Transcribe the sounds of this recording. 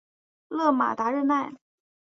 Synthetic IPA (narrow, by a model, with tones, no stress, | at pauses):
lɤ˥˩ma̰˨˩t̪a˧˥ɻə˥˧na˥˩ɪ